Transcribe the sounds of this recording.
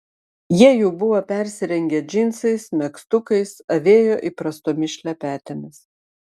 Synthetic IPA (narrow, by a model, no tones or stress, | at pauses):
jiɛjuːbʊʋopʲɛɾʲsʲɪɾʲɛŋʲɡʲɛːd͡ʒʲɪnʲsɐɪsmʲɛkst̪ʊkɐɪsɐʋʲeːjoːʔipɾɐst̪oːmʲɪʃʲlʲɛpʲæːt̪ʲemʲɪs